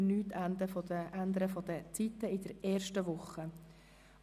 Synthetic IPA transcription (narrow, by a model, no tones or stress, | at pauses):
nyːt̪ʰːænd̪əfɔəænd̪əɾəfɔd̪ət͡sit̪ːəɪd̥̪əɾɛːɾʃtəʋʊχːə